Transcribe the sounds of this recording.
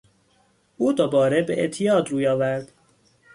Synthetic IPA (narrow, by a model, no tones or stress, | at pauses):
ʔuːd̪obɒːɾebeʔḛʔt̪ʰijɒːd̪ɾuːjɒːvæɾd̪̥